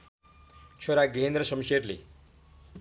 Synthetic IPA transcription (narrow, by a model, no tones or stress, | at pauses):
t͡sʰoɾaɡeɦnd̪rʌsʌmserlḛ